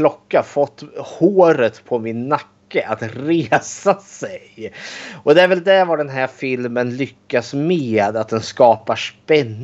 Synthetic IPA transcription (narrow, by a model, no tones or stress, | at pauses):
lɔkːafɔt̪ːhoːɾət̪pʰɔmɪnːakːəʔat̪ɾeːsasɛj | ɔd̪ɛæɾvɛld̪æɾvaɖɛnɦæɾfɪlmənlʏkːasmeːd̪at̪̚d̪ɛnskɑːpaʂpɛnː